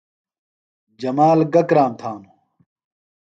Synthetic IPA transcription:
d͡ʑɐmaːlɡɐkɾaːmt̪ʰaːnu

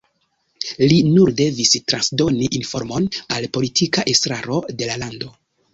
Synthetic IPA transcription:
linuɾde̞vistɾansdo̞niʔinfo̞ɾmo̞nalpo̞litʰikaʔe̞stɾaɾo̞de̞lalando̞

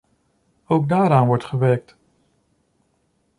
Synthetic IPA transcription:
owk̚daːɾaːnʋɔɹtχəʋɛɹk̚t

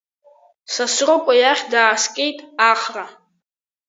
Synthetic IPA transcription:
sasrokʷʼajaχʲdaːskʼejtʼaχra

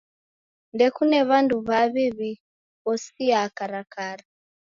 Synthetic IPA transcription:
ndɛkunɛβanduβaβiβi | βɔsiakaɾakaɾa

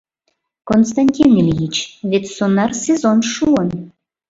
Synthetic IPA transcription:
konst̪anʲtʲinelʲjit͡ɕβet̪sonɑrsezonʃuən

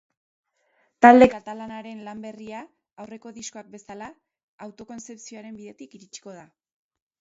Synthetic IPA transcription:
t̪ald̪e̞kat̪alanaɾe̞nlambe̞riaː | wre̞ko̞ðisko̞ak̚be̞salaː | wt̪o̞ko̞nt͡se̞psio̞aɾe̞mbiðe̞t̪ikiɾit͡ʃi̥ko̞ð̞a

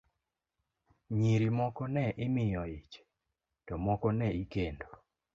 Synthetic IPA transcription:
ɲiɾimɔkɔnɛʔɪmɪjɔit͡ʃ | tɔmɔkɔnɛikendo

